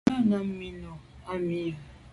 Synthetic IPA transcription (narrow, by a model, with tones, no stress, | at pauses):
ɔ˦na˨m̩˦mi˦nɔ˨a˦mi˦˨